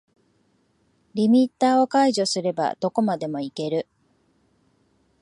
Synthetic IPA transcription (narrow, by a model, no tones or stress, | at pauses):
ɾʲimʲit̪ːaːo̞kaiʑo̞sɨɾe̞ba̰d̪o̞ko̞mad̪e̞mo̞ike̞ɾɯ̟